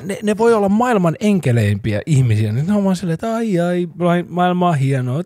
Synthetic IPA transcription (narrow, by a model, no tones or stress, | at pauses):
neneʋoiolːɑmmɑilmɑneŋkeleimpiæ̰ʔihmisiænesɑomɑnselːet̪ɑiɑilɑimɑilmɑːhienoːt̪